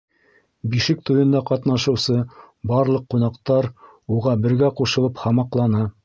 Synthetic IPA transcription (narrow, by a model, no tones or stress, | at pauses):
biʃɘk̚t̪ujɤ̆nd̪ɑqɑt̪nɑʃɤ̆wsɤ | bɑɾlˠɤqːunɑqt̪ɑɾ | uʁɑbɘ̆ɾɡæquʃɤ̆lˠɤphɑmɑqlˠɑnɑ